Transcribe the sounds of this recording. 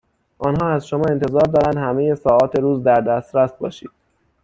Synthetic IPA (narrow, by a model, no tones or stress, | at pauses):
ʔɒːnɦɒːæzʃo̞mɒːe̞nt̪ʰe̞zɒːɾd̪ɒːɾænd̪hæmeje̞sɒːɒːt̪ʰe̞ɾuːzd̪æɾd̪æːst̪ɾæst̪̚bɒːʃiːd̪̥̚